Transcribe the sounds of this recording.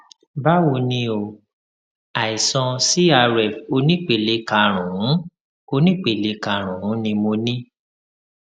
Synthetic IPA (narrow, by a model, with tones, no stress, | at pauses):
ba˦wo˧nĩ˧o˧˨ | a˨i˨sɔ̃˧si˦a˧ɾɛ˨fo˧˦nĩ˦k͡pe˨le˧˦ka˧ɾ̃ũ˨ũ˨˦ | o˧nĩ˦k͡pe˨le˧˦ka˧˨ɾ̃ũ˨ũ˨˦nĩ˧mo˧nĩ˦